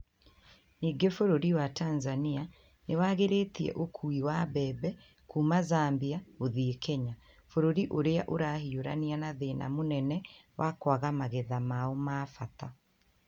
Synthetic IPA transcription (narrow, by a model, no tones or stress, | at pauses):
niːɡefoɾoɾiwataːnzania | newaːɣeɾeːtiɛ̰ʔokʰuiwabɛːbɛ | kuːmazaːmbiaoðiekɛɲa | foɾoɾiʔoɾeaʔoɾahioɾa̰nianaðena̰monɛnɛwʔakwaɣamaɣeðamaomaːfata